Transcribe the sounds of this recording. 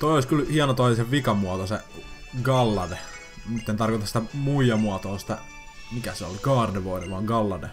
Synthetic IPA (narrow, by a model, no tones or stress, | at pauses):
t̪oioˑisʲkylhiɑnot̪oiseʋikɑmuɑt̪ose | ɡɑlːɑde | mut̪ːent̪ɑrkot̪ɑsi̥t̪æmuijɑmuɑt̪oːsi̥t̪æ | mikæseo̰lkɑːrdeʋoideʋɑːŋɡɑlːɑdḛ